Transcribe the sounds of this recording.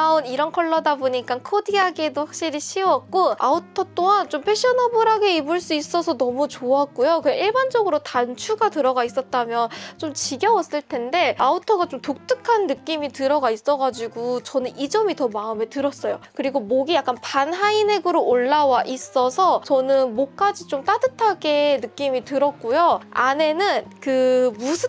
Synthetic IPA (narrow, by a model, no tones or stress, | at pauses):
aɯniɾʌnkʰʌɭːʌdaboɲik͈ankʰodiɦaɡedohak̚ɕ͈iɾiɕʰiwʌk̚k͈oautʰʌt͈oɦant͡ɕompʰe̞ɕ͈ʰʌnabuɾaɡe̞ibuɭs͈uis͈ʌsʰʌnʌmut͡ɕoak͈ujokɯeiɭband͡ʑʌɡɯɾotant͡ɕʰuɡatɯɾʌɡais͈ʌt̚t͈amjʌnt͡ɕomt͡ɕiɡjʌwʌs͈ɯɭtʰe̞nde̞autʰʌɡat͡ɕomtok̚t͈ɯkʰanːɯk͈imitɯɾʌɡais͈ʌɡad͡ʑiɡut͡ɕʌnɯnid͡ʑʌmitʌmaɯme̞tɯɾʌs͈ʌjokɯɾiɡomoɡijak͈anpanɦaine̞ɡɯɾoːɭːawaʔis͈ʌsʰʌt͡ɕʌnɯnmok͈ad͡ʑit͡ɕomt͈adɯtʰaɡe̞nɯk͈imitɯɾʌk̚k͈ujoane̞nɯnkɯmusʰɯ